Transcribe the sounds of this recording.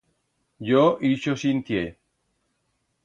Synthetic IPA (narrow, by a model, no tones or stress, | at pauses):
joʔiʃosint̪je